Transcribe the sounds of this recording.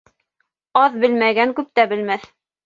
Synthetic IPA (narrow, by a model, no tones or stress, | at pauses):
ɑðbɘlmæɡæŋkʉp̚t̪æbɘ̆lmæθ